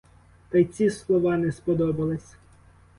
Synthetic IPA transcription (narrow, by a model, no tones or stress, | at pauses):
t̪ɐjt͡sʲislˠɔʋɑnɛspɔd̪ɔbɐlˠɪsʲ